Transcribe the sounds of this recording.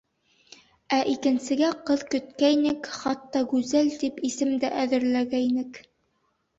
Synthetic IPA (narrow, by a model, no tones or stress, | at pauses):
æʔikɘ̆nsɘ̆ɡæqɤðkɵ̆t̪kæjnɘkχɑt̪ːɑɡʉzælt̪ipisɘ̆md̪æʔæðɘ̆ɾlæɡæjnɘk